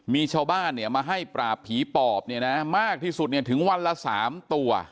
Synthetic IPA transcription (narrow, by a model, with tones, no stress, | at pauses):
miː˧t͡ɕʰaː˧wbaː˥˩nːi˥˩əmaː˧ɦa˥˩jpɾaː˨˩pʰːiː˨˩˦pɔː˨˩p̚ni˥˩əna˦˥maː˥˩k̚t̪ʰiː˥˩su˨˩t̪̚ni˥˩ɐt̪ʰɯ˩˦ŋwa˧nla˧sa̰ː˩˦mt̪u˧ɐ